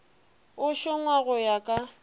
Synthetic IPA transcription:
ʊʃʊŋwaɣʊjakʼa

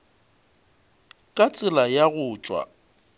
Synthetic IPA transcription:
kʼat͡sʼɪlajaɣʊːt͡ʃʼwa̰

